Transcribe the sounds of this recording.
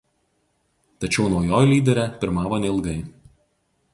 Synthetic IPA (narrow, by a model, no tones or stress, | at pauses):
t̪ɐt͡ʃʲɛʊnuɔjoːjlʲiːd̪ʲɛɾʲɛːpʲɪɾmɑːʋoːnʲɛɪlˠɡɐɪ